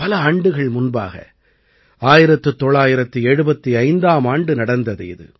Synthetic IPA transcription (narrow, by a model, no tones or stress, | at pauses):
pɐlɐaːɳɖɯɣɐɭmʊnba̰ːɣɐ̰ | aːjɪɾɐt̪ːɯt̪ːɔɭːaːjɪɾɐt̪ːɯɛɻɯbɐt̪ːiɐɪnd̪aːmaːɳɖɯnɐɽɐnd̪ɐðɯ̰ɪ̰ðɯ̰